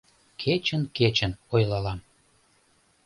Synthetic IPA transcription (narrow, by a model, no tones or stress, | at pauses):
kʰet͡ɕənket͡ɕənojlɑlɑm